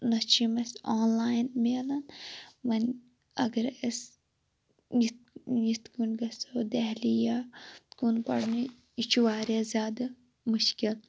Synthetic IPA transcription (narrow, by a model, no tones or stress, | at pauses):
nɐt͡ʃimɐsaːnlaːjnmeːlɐnʋɐn | ɐɡɐɾɐs | jit̪̚jit̪kunɡɐsod̪ɛɦlijakunpɐ̰ɽni | it͡ʃʰuʋaːɾʲjaːzʲjaːd̪ɐ | muʃkil